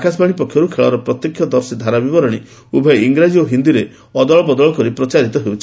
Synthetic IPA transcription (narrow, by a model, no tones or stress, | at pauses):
akas̬baɽ̃ipɔkʰjɔɾukʰeɭɔɾɔpɾɔt̪jekʰːjɔd̪ɔɾsid̪ʱaɾabibɔɾɔɽ̃i | ubʱɔjiŋɡɾad͡ʒioɦind̪iɾe | ɔd̪ɔɭɔbɔd̪ɔɭɔkɔɾipɾɔt͡ʃaɾit̪ɔɦewt͡ʃʰi